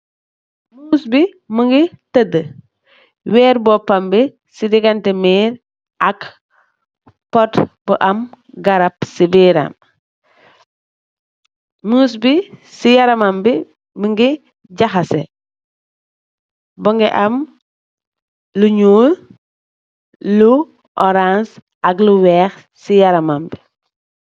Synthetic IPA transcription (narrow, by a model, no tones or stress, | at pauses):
musbi | muŋɡitədə | wɛːɾbɔpːɐmbi | sidiɡɐntɛmiːɾ | ʔɐk | pɔtbɔʔɐm | ɡɐɾɐpsibiːɾɐ̰m | muːs̬bisijɐɾɐmambi | biŋɡi | ɟaxɐsɛ | buŋɡiʔɐm | luɲuːl | lu | ʔɔɾans | ʔɐkluwɛːx | sijaɾɐmambi